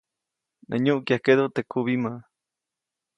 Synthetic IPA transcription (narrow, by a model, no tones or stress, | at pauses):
nʔḛɲũʔkjahkeðot̪ekʰuβimã